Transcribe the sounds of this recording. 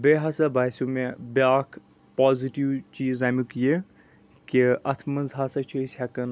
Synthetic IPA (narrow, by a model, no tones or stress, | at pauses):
beːɦɐsɐbaːsʲumebʲaːkʰ | paːziʈiwt͡ʃiːzaːmukje | kiɐt̪ʰmɐnzɦaːsɐt͡ʃʰusʲhɐkɐn